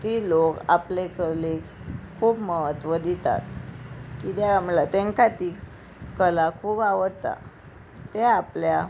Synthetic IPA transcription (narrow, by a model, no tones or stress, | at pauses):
t̪iːlokaplekəɾlekʰuːbməɦət̪ʋəd̪it̪a̰t̪kid̪jaaməlat̪ẽŋkat̪i | kəlakʰuːbaʋəɽt̪a̰ | t̪eaplja